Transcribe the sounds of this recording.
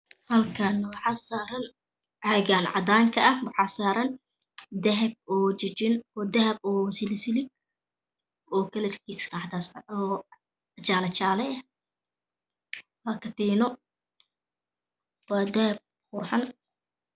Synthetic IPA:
hɐlkʰɐnɐwɑħɑːsaːɾɐn | ʕaɣaːnʕɑd̪aːŋkʰɐɐhwɑħɑːsaːɾɐn | d̪ɐɦɐb̚ɔːt͡ʃɐt͡ʃɪnɔːd̪ɐhɐbɔːsɪlɪsɪlɪɡ̚ | ʔɔːkʰɐlɐrkʰiːsraħt̪asɔː | t͡ʃaːlɐt͡ʃaːlɛɐ | waːkʰɐt̪ɛːnɔ | wɑːd̪ɐhɐb̚ | χʊrħɑn

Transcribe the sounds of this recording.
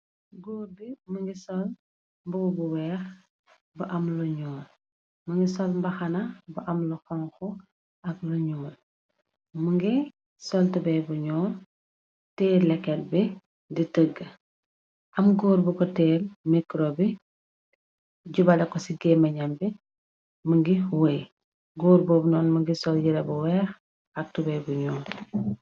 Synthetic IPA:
ɡoːrbiməŋɡisɔl | mbukɔbuwɛːx | bɐʔɐmluɲɔːl | məŋɡisɔlmbɐxɐnɐbɐʔɐmluxɐŋxɔ | ɐkluɲuːl | məŋɡi | sɔltɐbɛbuɲɔːl | tɛːrlɛkːɛlbi | ditəɡːə | ʔɐmɡoːɾbukɔtɛːlmikɾobi | ɟubɐlɛkɔsiɡɛːmɐɲɐmbi | məŋɡiwəj | ɡoːɾbɔːbnɔːnməŋɡisɔljiɾɛbuwɛːx | ɐk̚tubɛjbuɲɔːr

